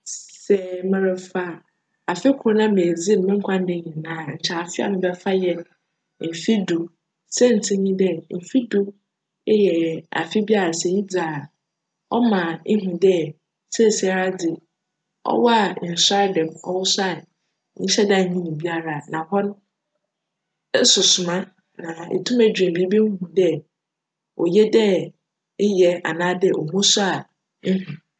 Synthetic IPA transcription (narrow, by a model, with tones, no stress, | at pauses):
sɛ˨mɛ̃˦ɾɛ˨fa˦˨ | a˨fɪ˦kʰʊ˨õ˦nã˦me˨d͡zi˦m̩˨˦mɪ̃˦ŋ̩˦kʷʰã˦n˦dɪ˦ɲĩ˨nãː˨˦ɲ̩˨t͡ɕʰɛ˨a˨fɪ˦a̰˨nʊ̃˦bɛ˦fa˦jɛ˦n | m̩˨fi˦du˨ | sɛ˦n̩˨tʰĩ˦ɲĩ˦dɛ˦m̩˨fi˦du˦ | jɛ˨a̰˨fɪ˦bi˦a˦ɾa˨sɛ˨ji˦d͡za˨ | ɔ̰˦mã˨e˦ɦĩ˨dɛ˦ | sɛ˦˨si˨a˨ɾa˦dɪ˨ | ɔ̰˦wɔ˦a˨ɪ˨n̩˨sa˦dã˨mɔ̰˦wɔ˦sa˦˨˦ | ɲ̩̃˦ɕɛ˦da˦˨ɲĩ˦nĩ˨bi˦a˦ɾa˨nã˨hɔ̃˦n˦ | sʊ˨sʊ˨mã˦ | nã˨ḛ˨tʰũ˦mæ˨d͡ʑᶣɾɛ̃˨bi˨˦bi˦m̩˦hũ˨dɛ˦ | ɔ̰˨jɛ˦dɛ˦ | ɪ˦jɛ˨a̰˨nãː˦dɛ˦ʔɔ˨mũ˦sʊ˦a˨ | n̩˦ɦũ˨